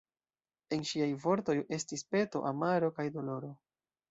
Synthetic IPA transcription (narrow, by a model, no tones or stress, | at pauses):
e̞nʃiajvo̞ɾto̞je̞stispe̞to̞̰ʔamaɾo̞kajdo̞lo̞ɾo̞